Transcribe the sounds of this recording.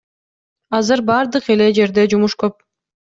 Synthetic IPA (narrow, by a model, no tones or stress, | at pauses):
ɑzɯɾbɑɾd̪ɯqe̞le̞d͡ʒe̞ɾd̪e̞d͡ʒumuʃkøp̚